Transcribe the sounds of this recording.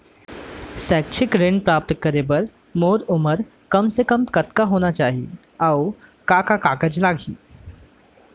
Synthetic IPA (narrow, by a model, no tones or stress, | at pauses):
sɛk̚t͡ʃʰɪkɾeɳɖpɾap̚t̪kəɾebəɾ | moɾuməɾ | kəmsekəmkət̪kaɦonat͡ʃaːɦḭ | awkakakakəd͡ʒlaɡʱḭː